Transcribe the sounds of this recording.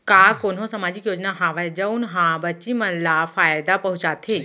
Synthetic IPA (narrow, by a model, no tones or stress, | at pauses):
kakonɦõsɐmaːd͡ʒɪkjoːd͡ʒnaɦãʋəd͡ʒəunɦãbɐt͡ʃimɐnlafaːjd̪apɐɦut͡ʃat̪ʰe